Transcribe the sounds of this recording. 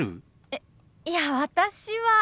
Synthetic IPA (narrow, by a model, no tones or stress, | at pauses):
ɯ̰ | e | jaβat̪aɕiβa